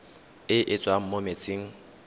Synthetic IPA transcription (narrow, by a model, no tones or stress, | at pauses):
ɪʔɪt͡sʼwam̩momet͡sʼeːŋ̩